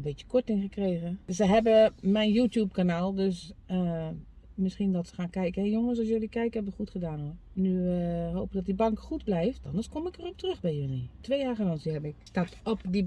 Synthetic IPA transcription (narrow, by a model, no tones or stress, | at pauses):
bɪtjə̥kʰɔtɪŋxəkreːɣəsəɦɛbəmɛjnjuːtjup̚kanaːlˠdøsə | mɪsxindɔtsə̥xaːnkɛjkəɛjoŋəs̬ɔsjølikɛjkəhɛbəxutxədaːno | nyɦoːwpədɔtdibaŋkxutblɛjftɔ̰ndərskomɪkərɔp̚trøxbɛjølitʰʋeːjaːɣəlɔŋsihɛbəɪkstatɔpdi